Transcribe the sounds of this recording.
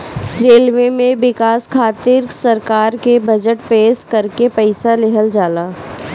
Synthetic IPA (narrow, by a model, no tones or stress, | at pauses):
ʈɾeːlʋẽmẽbɪkaːskʰaːt̪ɪɾsɐɾkaːɾkebɐd͡ʒəʈpeːskɐɾkepɐɪsalɪɦəld͡ʒaːlaː